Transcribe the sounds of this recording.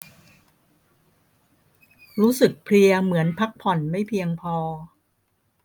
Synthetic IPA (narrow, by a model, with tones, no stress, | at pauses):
ɾuː˦˥sɯ˨˩k̚pʰli˧ɐmɯ˩˦ənpʰa˦˥k̚pʰɔ˨˩nma˥˩jpʰi˧əŋpʰɔː˧